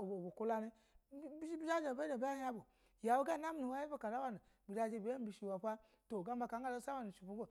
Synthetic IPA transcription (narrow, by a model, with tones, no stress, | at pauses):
o˨o˨bo˨ku˦la˧ni˦ | bi˦ʃi˦bi˦d͡ʒa˦d͡ʒa˨ba˦a˨ba˦a˦a˦bo˨ | ja˨wo˦ɡa˦˨na˦m˦nu˨wa˦i˦bo˦ka˨la˦wa˦nu˨ | bi˨d͡ʒa˧d͡ʒe˧˨bi˨˦e˦m̩˦bi˨ʃi˨wa˨pʷa˦ | to˨ɡa˦m˦ba˨˧ka˨˦ŋ˦ɡa˦lo˦sa˦wa˦nu˨ʃi˨bu˦ɡo˦